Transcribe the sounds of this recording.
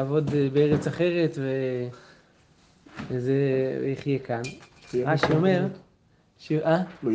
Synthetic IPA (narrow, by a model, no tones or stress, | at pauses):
aːvo̞d̪beeʁet͡saχe̞ʁe̞t̪ve | zeeiχjekanʁaʃio̞me̞ʁ | ʃeʔa